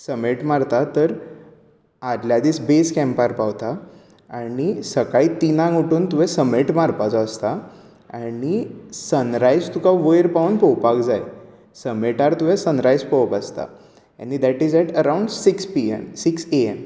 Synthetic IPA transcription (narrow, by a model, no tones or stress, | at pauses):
səmeʈmaɾt̪at̪əɾ | ad̪ljad̪iːsbeskɛ̃mpaɾpaʋt̪a | aɽisəkait̪inãŋuʈuːnt̪uʋɛsəmeʈmaɾpat͡sɔəst̪a | anisənɾajd͡zt̪ukaʋəjɾpaunpɔwpakd͡zaj | səmeʈaɾt̪uʋɛ̃sənɾajspɔʋpast̪a̰ | ɛ̰̃nid̪æʈiːd͡zɛʈəɾauɳɖsikspiɛ̰msikseɛm